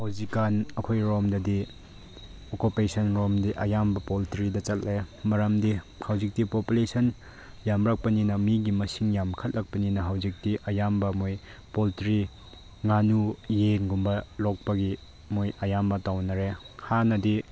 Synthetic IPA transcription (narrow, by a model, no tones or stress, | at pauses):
hawzikanɐkʰojɾomdɐdi | okupesɐnɾomdiʔɐjambɐpoltɾidɐt͡ʃɐt̚lemɐɾɐmdi | hawzik̚tipopulesɐn | jamɾak̚pɐninɐmiɡimɐsiŋjamkʰɐt̚lɐk̚pɐninɐɦawzik̚tiʔɐjambɐmoj | poltɾi | ŋanujeŋɡumbɐlɔk̚pɐɡi | mojɐjambɐtawnɐɾe | hanɐdi